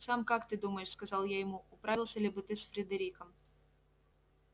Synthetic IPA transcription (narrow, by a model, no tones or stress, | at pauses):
sɑmkakt̪ɨd̪umɐjɛʂskɐzɑlˠjajɪmuʊpɾavʲilˠsʲɐlʲɪbɨt̪ɪsfɾʲɪd̪ɐɾʲikɐm